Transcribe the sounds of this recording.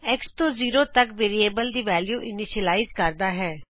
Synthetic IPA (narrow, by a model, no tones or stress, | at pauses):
ɛkst̪oːziːɾoːt̪əkʋeːɾieːbəld̪iːʋɛːljuːʔɪnɪʃəlaːizkəɾd̪aːɦɛː